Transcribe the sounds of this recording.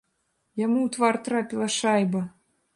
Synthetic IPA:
jamuːt̪vɑrt̪ɾapʲilˠɐʃɑjbɐ

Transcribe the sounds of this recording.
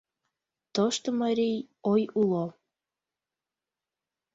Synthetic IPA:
t̪oʃt̪omɑɾij | ojulo

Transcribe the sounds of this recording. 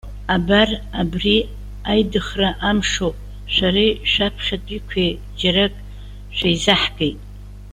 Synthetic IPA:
abarabri | ajdɨχraʔamʂo | ʃʷaɾiʃʷᶣapʰʂatʷʼikʷʰe | d͡ʒaɾakʼ | ʃʷᶣajzaħɡejtʼ

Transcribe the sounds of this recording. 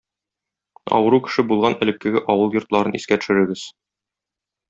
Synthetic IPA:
ɒ̰wɤ̆ɾukɘ̥̆ʃɘbulˠʁɑnɘ̆lɘ̆kːɘ̆ɡɘʔɒwɤlˠjŏɾt̪lˠɑɾɤniskæt̪ɵ̥̆ʃɘ̆ɾɘ̆ɡɘz̥

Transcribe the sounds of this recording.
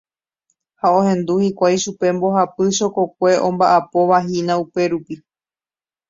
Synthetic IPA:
haõhẽ̞nd̪uhikʷajʃupe̞mbo̞ɦapɨʃoko̞k̚ʷe̞ʔõ̞mbaʔapo̞ʋaɦinãupe̞ɾupi

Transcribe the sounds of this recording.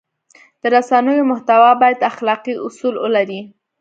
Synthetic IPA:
d̪̥əɾasanəjomʊht̪awɑbɑjad̪axlɑqiʊsulwə̰laɾi

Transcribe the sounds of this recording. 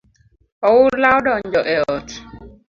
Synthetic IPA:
ɔwulawɗɔɲd͡ʒɔʔɛɔt

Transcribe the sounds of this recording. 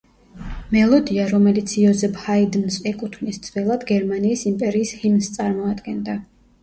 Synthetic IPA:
mɛlˠɔd̪iaɾɔmɛlit̪sʰiɔzɛphaid̪nsɛkʼut̪ʰmnisd̪z̥vɛlˠad̪ɡɛɾmaniːsimpʼɛɾiːshimnst̪sʼaɾmɔad̪ɡɛnd̪a

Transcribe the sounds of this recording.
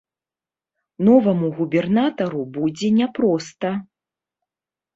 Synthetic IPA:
nɔvɐmuɣubʲɛrnat̪ɐɾubud͡zʲɛnʲɛpɾɔst̪ɐ

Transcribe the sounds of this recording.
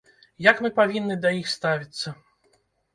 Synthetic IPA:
jɐkmɨpavʲinːɨd̪ɐjixst̪avʲit̪sːɐ

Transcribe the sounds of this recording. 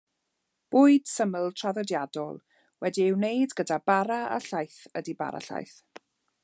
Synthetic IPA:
b̥ʊːɨd̥səməlˠtʰr̥aðɔdjadɔ̰lˠ | wɛdiɪwnejdɡədabaɾaa̰ɬajθədiba̰ɾa̰ɬa̰jθ

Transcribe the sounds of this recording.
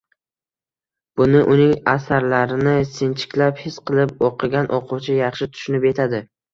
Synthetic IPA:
b̥ʊnɪʔʊnɪŋasaɾlaɾɪnɪsɪnt͡ʃʰɪ̥kʲlaphɪsqɨlˠɪp̚oqʰɨɡʲanʔoqʰʊwt͡ʃʰajɑχʃɪt̪ʰʊ̥ʃʊnɪpe̞t̪ʰad̪ɪ

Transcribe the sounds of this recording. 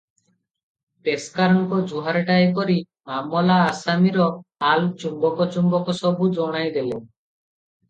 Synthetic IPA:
peskaɾɔŋkɔd͡ʒuɦaɾʈaekɔɾi | mamɔlaːsamiɾɔalt͡ʃumbɔkɔt͡ʃumbɔkɔsɔbʱud͡ʒɔɽ̃ajd̪ele

